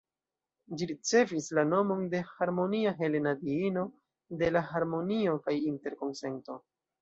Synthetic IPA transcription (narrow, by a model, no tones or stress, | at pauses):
d͡ʒiɾit͡se̞vislano̞mo̞nde̞haɾmo̞niaɦe̞le̞nadiino̞ | de̞laɦaɾmo̞nio̞kajinte̞ɾko̞nse̞nto̞